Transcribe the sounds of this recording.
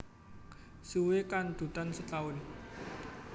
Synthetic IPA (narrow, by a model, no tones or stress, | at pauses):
suwekand̪̥ṳt̪ansət̪aʊn